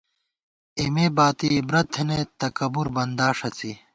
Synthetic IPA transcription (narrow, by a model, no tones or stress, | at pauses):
imeːbaːt̪ibɾɐt̪ʰenet̪ɐkɐbuɾbɐnd̪aːʂɐt͡si